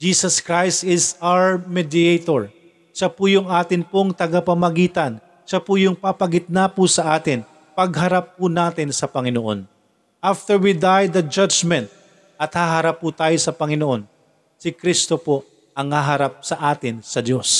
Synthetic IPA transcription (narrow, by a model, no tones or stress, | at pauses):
d͡ʒiːsɐskɹajst̪ɪsawɛɹmɛd̪ɪejt̪oɹ | ʃɐpʊjʊŋʔaːt̪ɪnpoŋt̪ɐɡapɐmɐɡiːt̪ɐn | ʃɐpʊjʊŋpapɐɡɪt̪̚napʊsɐʔaːt̪ɪn | pɐɡɦɐɾapːʊnaːt̪ɪnsɐpɐŋɪnoʔo̰n | ʔaft̪ɛɹwid̪ajd̪ɐd͡ʒad͡ʒmɛnt̪̚ | ʔɐt̪haɦɐɾapːʊt̪aːjosɐpɐŋɪnoʔo̞n | sɪkɾist̪opo | ʔɐŋhaɦɐɾap̚sɐʔaːt̪ɪnsɐd̪jo̞s